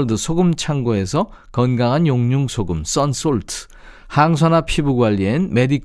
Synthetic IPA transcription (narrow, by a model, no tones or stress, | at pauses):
ɭdɯsʰoɡɯmt͡ɕʰaŋɡoe̞sʰʌ | kʌnɡaŋɦanjoŋɲuŋsʰoɡɯms͈ʌns͈oɭtʰɯ̥ | haŋsʰʌnapʰibuɡwaʎːienme̞dikʰ